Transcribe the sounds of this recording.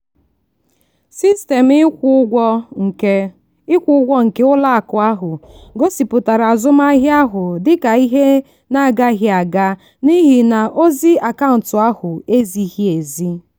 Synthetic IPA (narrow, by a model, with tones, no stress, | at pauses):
si˦ste˨mɪ˦ɡʷɔ˦ŋ̩˨e˦ | ɪ˦kʷʊ˦ʊ˦ɡʷɔ˦ŋ̩˨ke˦ʊ˦la˦a˨kʊ˨a˦ɦʊ˨ɡo˦si˨pʊ˨ta˨ɾa˨zʊ˦m˦a˦ɦja˦ɦʊ˨dɪ˦ka˨i˦ɦe˦ | na˦˨ɡa˦ɦɪ˦a˨ɡa˦ | ni˦ɦi˨na˨ʔo˦zi˦a˨ka˦ʊ˨n̩˨tʊ˨a˦hʊ˨e˦zi˨hi˦e˨zi˦